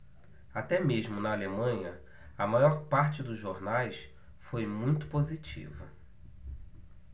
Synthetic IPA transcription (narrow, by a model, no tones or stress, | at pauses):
at̪ɛmeʒmʊnɐːlemɐ̃ɲɐ | ɐmajɔɾpaɾt͡ʃɪd̪ʊzʒoɾnajs | fojmũj̃t̪ʊ̥pozit͡ʃḭvɐ